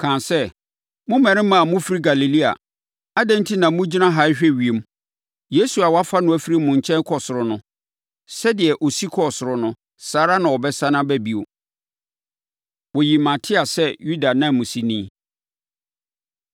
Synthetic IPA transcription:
kʰã˨nsɛ˦ | mʊ̃˦mɛ̃˨ɾɪ̃˦mã˦a˨mʊ̃˦fi˦ɾi˦ɡa˨li˨li˦a̰˨ | a˦dɛ̃˦n˦tʰi˦nã˨mʊ̃˦d͡ʑi˦nã˦ɦa˨˦ɪ˦ɕᶣɛ˦ɥi˨e˨m˦ | je˦su˨a˨wa˦fa˦nʊ̃˦æ˨fi˦ɾi˦˨mʊ̃˨ɲ˨t͡ɕʰɛ̃˦n˦kʰɔ˨sʊ˨ɾʊ˨nʊ̃˦ | sɛ˦dɪ˨ɛ˨ʔo˨si˦kʰɔ˨sʊ˨ɾʊ˨nʊ̃˦ | saː˨˦ɾa˦nã˨wɔ˨bɛ˦sa˦nã˦bæ˦bi˦˨o̰˨ | wɔ˨ji˨mã˨tʰɪ˦a˨sɛ˦ju˦da˨nã˦˨mː˨ʊ̃˨si˦nĩː˦

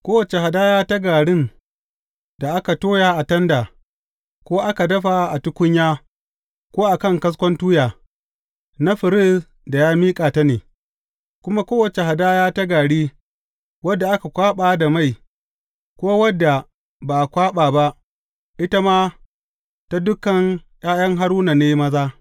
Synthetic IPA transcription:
kʷoː˦wɐ˨t͡ʃe˨ha˨daː˦jaː˦ta˦ɡaː˨ɽɪ˦ŋ | d̥a˨ʔa˦ka˨toː˦jaː˦ʔa˨tɐ˦ndaː˨ | kʷoː˦ʔa˦ka˨dɐ˦ɸa˨ʔa˨tʊ˦kʷʊ˦ɲjaː˦ | kʷoː˦ʔa˨kɐ˦˨ŋkɐ˦s̬kʷɔ˦ntuː˦jaː˨ | na˦ɸɪ˨ɾɪ˦˨s | da˨jaː˦miː˦kʼaː˨ta˦neː˨ | kʷʊ˦ma˦kʷoː˦wɐ˨t͡ʃe˨ha˨daː˦jaː˦ta˦ɡaː˨ɽiː˦ | wɐ˦dːa˨ʔa˦ka˨kʷaː˦ɓaː˦da˨ma˦˨j | kʷoː˦wɐ˦dːa˨ | ba˨kʷaː˦ɓaː˨ba˦ʔ | ʔɪ˦ta˦maː˦ | ta˦dʊ˦kːɐ˨ŋj̰ʼaː˦jɐ˦ŋɦa˦ɾuː˦na˨neː˦mɐ˦zaː˦

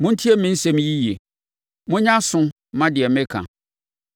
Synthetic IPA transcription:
mʊ̃˦n̩˦tʰi˦ɛ˦mɪ̃˦n̩˦sɛ˦m̃˦ji˦je˨ | mʊ̃˦ɲã˦sʊ̃˦ | mã˦dɪ˨ɛ˨mɪ̃˦kʰã̰˨

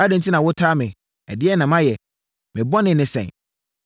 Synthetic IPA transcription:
a˦dɪ̃˨tʰi˦nã˨wʊ˦tʰaː˦mɪ̃˨ | ɛ̰˨dɪ˦ɛ˦nã˨mã˦jɛ˨ | mɪ̃˨bɔ˦nɪ̃˨nɪ̃˨sɛ̰̃˨n

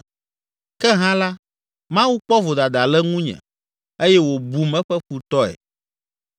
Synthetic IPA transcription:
kɛ˦ɦã˦la˦ | mã˦wu˦k͡pɔ˦vo˨d̪a˨d̪a˨lɛ˦ŋũ˦ɲɛ̰̃˨ | e˦jɛ˦wo˨bu˨mɛ̃˦ɸɛ˦ɸu˨t̪ɔ˦ɛ̰˨

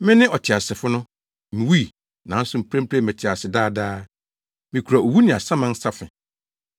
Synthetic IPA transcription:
mɪ̃˦nɪ̃˦ʔɔ˨tʰɪ˨a˨sɪ˨fʊ˦nʊ̃˦ | mĩ˨wi˦˨ | nã˨˦n̩˦sʊ˦m̩˦pʰɾɛ̃˦m˦pʰɾɛ˦˨mɪ̃˨tʰɪ˨a˨sɪ˨daː˦˨daː˦ | mĩ˨kʰu˨ɾa˨o˨wu˦nɪ̃˨a˨sã˦mã˦n̩˦sa˦fɪ̃˨

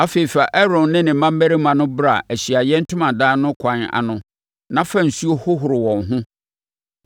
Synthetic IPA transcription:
a˦fe˨i˨fa˨ʔɛ˦ɾɔ̃˨nːɪ̃˦nɪ̃˨m̩˨mã˦m̩˦bæ˦ɾi˦mã˨nʊ̃˦bɾa˨ʔæ˨ɕi˨a˨jɛ˦n̩˦tʰʊ̃˦mã˨dãː˦nʊ̃˦kʷʰã˨˦na̰˨nʊ̃˦ | nã˦fã˦n̩˨su˦o˦hʊ˦ɦʊ˨ɾɪ˨wɔ̃˨ŋɦʊ̃˦

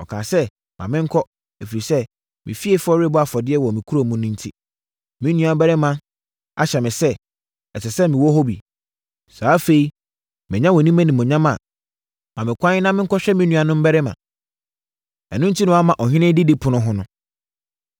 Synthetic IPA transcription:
ɔ˨kʰaː˨sɛ˦ | mʔã˨mɪ̃˦ŋ̩˦kʰɔ˦ | e˨fi˨ɾi˨sɛ˦ | mʔɪ̰̃˨fi˦e˦fɔ˦ɾɪ˦bɔ˦a˨fɔ˨dɪ˦ɛ˦wɔ˨mĩ˨kʰu˦ɾo˦mũ˦nʊ̃˦n̩˦tʰi˦ | mɪ̃˦nũ˦˨a˨m˦bɛ˦ɾɪ˦mã˦ | a̰˦ɕɛ˨mɪ̃˨sɛ˦ | ɛ˨sɛ˨sɛ˦mɪ̃˨wɔ˦ɦo˦bḭ˨ | saː˨˦fe˨i˦ | mɪ̃˨ɲã˦wɔ˨nĩ˦mã˦nĩ˨mʊ̃˨ɲã˦mã˨ | mã˨mɪ̃˨kʷã˦nɪ˦nã˦mɪ̃˦ŋ̩˦kʰɔ˦ɕᶣɛ˦mɪ̃˦nũ˨˦a˨nʊ̃˦m̩˦bɛ˦ɾɛ˦mã̰˨ | ɛ̰˨nʊ̃˦n̩˦tʰi˦nʊ̃˦a˦mã˨ʔɔ˨ɦɪ̃˦nɪ̃˦dɪ˦dɪ˦pʰʊ˨nʊ̃˦ɦʊ̃˦nʊ̃˦

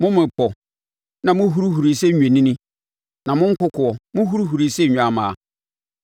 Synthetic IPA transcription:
mʊ̃˦mɪ̃˨k͡pɔ˨ | nã˨mʊ̃˦ɦu˦ɾu˦ɦu˨ɾi˨sɛ˦˨ɲᶣẽ˨nĩ˦nĩ˦ | nã˨mʊ̃˦ŋ̩˦kʊ˦kʰʊ˨ɔ˨mʊ̃˦ɦu˦ɾu˦ɦu˨ɾi˨sɛ˦˨ɲᶣ˨a˨mã̰ː˨a˨

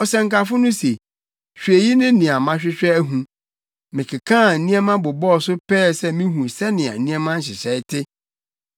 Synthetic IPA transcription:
ɔ˨sɛ̃˨ŋ̩˨ka˨fʊ˦nʊ̃˦se˨ | ɕᶣɥe˨ji˦nɪ̃˦nĩ˨a˨mã˦ɕᶣɪ˦ɕᶣɛ˦æ˦ɦũ˨ | mɪ̃˨kʰɪ˨kʰã˦˨n̩˨nĩ˦ɛ˦mã˦bʊ˨bɔ˦˨sʊ˦pʰɛː˦sɛ˦mĩ˦ɦũ˨sɛ˦nɪ̃˨ã̰˨nĩ˦ɛ˦mã˦n̩˦˨ɕɪ˨ɕɛ˨˦ɪ˦tʰɪ˦

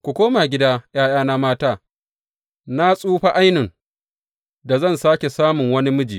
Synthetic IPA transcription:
kʷu˨kʷoː˦ma˨ɡʲɪ˦daː˦jaː˦jaː˦na˦maː˦taː˦ | na˦sʼuː˦ɸa˦ʔa˦jnɪ˨ŋ | da˨zɐ˦˨nsaː˦kʲe˨saː˦mʊ˨ŋwɐ˦ni˦mʊ˦d͡ʒiː˨

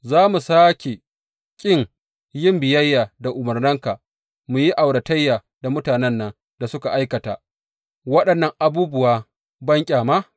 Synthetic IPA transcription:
zaː˦mu˨saː˦kʲe˨ | kʲʼɪ˦ŋ | jɪ˦mbɪ˨jɐ˦jːaː˨da˨ʔʊ˨mɐ˨rnɐ˦ŋka˨ | mu˨ji˦ʔa˨wɽɐ˨tɐ˦jːaː˨ | da˨mʊ˦taː˨nɛ˦nːɐ˦˨ | da˨sʊ˦ka˨ʔa˦jkɐ˨ta̰ː˨ | wɐ˦ɗɐ˨nːɐ˨ŋʔa˨buː˦bʊ˦˨waː˦ | bɐ˦ŋkʲʼaː˨ma˦

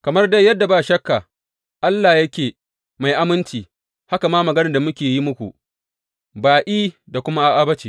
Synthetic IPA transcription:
kɐ˨mɐ˦rda˦jɐ˦dːa˨baː˦˨ʃɐ˦kːa˨ | ʔa˦lːaː˨jɐ˦kʲeː˨ | ma˨jʔa˦mɪ˦nt͡ʃiː˨ | ha˦ka˨maː˦mɐ˨ɡɐ˦nɐ˨da˨mʊ˦kʲeː˨ji˦mʊ˦kʷṵ˨ | baː˨ʔiː˦da˨kʷʊ˦ma˦ʔa˦ʔa˦bɐ˦t͡ʃeː˨

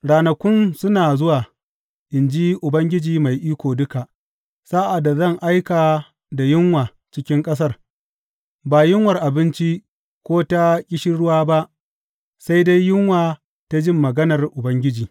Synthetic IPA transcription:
ɽaː˨nɐ˨kʷʊ˦nsʊ˦naː˨zʊ˦waː˨ | ʔɪ˨nd͡ʒi˦ʔʊ˨bɐ˦ŋɡʲɪ˦d͡ʒiː˨ma˨jʔiː˦kʷoː˨dʊ˦ka˨ʔ | saː˦ʔa˨da˨zɐ˦˨ŋʔa˦jkaː˨ | da˨jɪ˦ŋwaː˨ | t͡ʃɪ˦kʲɪ˦ŋkʼɐ˦s̬ɐ˦r | baː˨jɪ˦ŋwɐ˨rʔa˨bɪ˦nt͡ʃi˦ | kʷoː˦ta˦kʲʼɪ˦ʃɪ˦ɽʊ˦waː˦ba˦ʔ | sa˦jda˦jːɪ˦ŋwaː˨ | ta˦d͡ʒɪ˦mːɐ˨ɡɐ˦nɐ˨rʔʊ˨bɐ˦ŋɡʲɪ˦d͡ʒiː˨

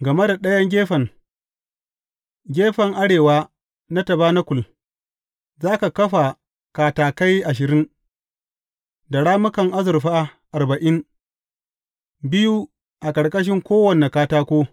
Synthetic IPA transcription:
ɡɐ˨me˦da˨ɗɐ˦jɐ˦ŋɡʲeː˦ɸɐ˨ŋ | ɡʲeː˦ɸɐ˨ŋʔa˦ɽeː˨waː˦ | na˦tɐ˨baː˦na˦kʷʊ˨l | zaː˦ka˨kɐ˦ɸa˨ | kaː˨taː˨ka˦jʔa˨ʃ̬ɪ˨ɾɪ˦ŋ | da˨ɽaː˦mʊ˦kɐ˨ŋʔa˦zʊ˨ɾɸa˦ʔa˨rbɐ˨ʔɪ˦n | bɪ˦ju˦ | ʔa˨kɐ˨ɽkʼɐ˦ʃ̬ɪ˦ŋkʷoː˦wɐ˨ne˨kaː˦taː˦kʷoː˦

